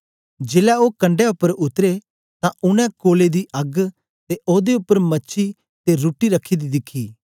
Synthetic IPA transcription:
d͡ʒeːlɛoːkɐ̃ɳɖɛʊpːəɾʊt̪ɾe | t̪ãʔʊñɛ̃koːled̪iʔɐɡ | t̪eoːd̪eʊpːəɾmɐːʃʰi | t̪eɾuːʈːiɾɐkʰːid̪id̪ɪkʰːiː

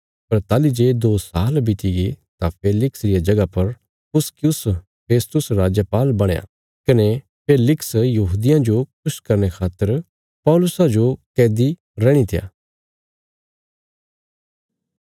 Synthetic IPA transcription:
pɐɾt̪aːlid͡ʒeːd̪oːsaːlbɪt̪iɡit̪apʰeːlɪksɾɪjad͡ʒɐɡapɐɾ | pʊskjʊs | pʰeːst̪ʊsɾaːd͡ʒjəpaːlbɐɽ̃eja̰ | kɐne | pʰeːlɪksjɐɦuːd̪ɪjãd͡ʒokʊʃkɐɾñekʰaːt̪ːəɾ | pɔːlʊsad͡ʒokɛːd̪i | ɾɛːɽ̃it̪ʰɪja̰ː

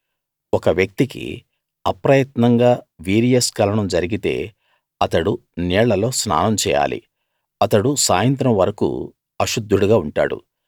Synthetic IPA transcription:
ɔkɐʋjɐk̚t̪ikḭ | ɐpɾɐjɐt̪nɐŋɡaːʋiːɾijɐskɐlɐɳɐmd͡ʒɐɾiɡit̪e̞̰ː | ɐt̪ɐɽunɛːɭɐlo̞ːsna̰ːnɐmt͡ʃɛːja̰ːlḭ | ɐt̪ɐɽusaːjɐnt̪ɾɐmʋɐɾɐkṵː | ɐʃud̪ʱːuɽuɡaːuɳʈa̰ːɽṵ

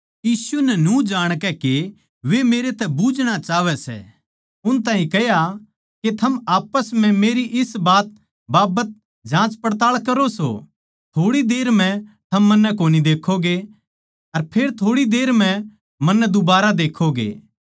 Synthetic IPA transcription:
jiːsunɛnũd͡ʒaːɽ̃kɛke | ʋemeːɾet̪ɛbud͡ʒɽ̃at͡ʃaːʋɛsɛ̰ | ʊñt̪aːɦĩkɛja | ket̪ʰɐmaːpəsmɛ̃meːɾiʔɪsbaːt̪̚ | baːbət̪̚ | d͡ʒãːt͡ʃpɐɽt̪aːɭkɐɾoso̰ | t̪ʰoːɽid̪eːɾm̤ɛ̃t̪ʰɐmːɐnːɛkoːnid̪eːkʰoɡe | ɐɾpʰeːɾt̪ʰoːɽid̪eːɾm̤ɛ̃ | mɐnːɛd̪ʊbaːɾad̪eːkʰːoɡḛː

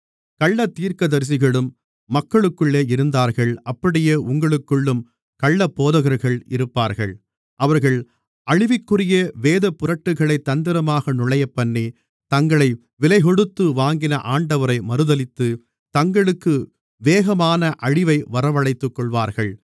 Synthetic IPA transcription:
kɐɭːɐt̪ːiːɾkɐðɐɾs̬ɪɣɐɭɯmː | ɐkːɐɭɯkːɯɭːeːɪɾɯnd̪aːɾɣɐɭʔɐpːɐɽɪjeːʔʊŋɡɐɭɯkːɯɭːɯm | kɐɭːɐpːoːðɐɣɐɾɣɐɭɪ̰ɾɯpːaːɾɣɐɭ | ʔɐʋɐɾɣɐɭ | ɐɻɪʋɪkːɯrɪjɐʋeːðɐpʊrɐʈːɯɣɐɭɐɪt̪ːɐnd̪ɪɾɐmaːɣɐnʊɭɐjɐpːɐɳːi | t̪ɐŋɡɐɭɐɪ | ʋɪlɐɪɣɔɽɯt̪ːɯʋaːŋɡɪnɐʔaːɳɖɐʋɐɾɐɪmɐɾɯðɐlɪt̪ːɯ | t̪ɐŋɡɐɭɯkːɯ | ʋeːɣɐmaːnɐʔɐɻɪʋɐɪʋɐɾɐʋɐɭɐɪt̪ːɯkːɔɭʋaːɾɣɐɭ

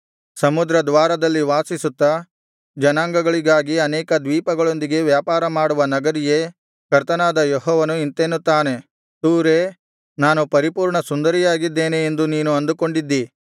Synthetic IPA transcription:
sɐmud̪ɾɐd̪ʋaːɾɐd̪ɐlːiʋaːsisut̪ːɐ | d͡ʒɐnaːŋɡɐɡɐɭiɡaːɡiɐnɛːkɐd̪ʋiːpɐɡɐɭo̞nd̪iɡe̞ʋjaːpaːɾɐmaːɽuʋɐnɐɡɐɾije̞ | kɐɾt̪ɐnaːd̪ɐjɔɦɔːʋɐnuint̪enːut̪ːaːne̞ | t̪uːɾe̞ː | naːnupɐɾipuːɾɳɐsund̪ɐɾijaːɡid̪ːe̞ːneːnd̪uniːnuɐnd̪uko̞ɳɖid̪ːi

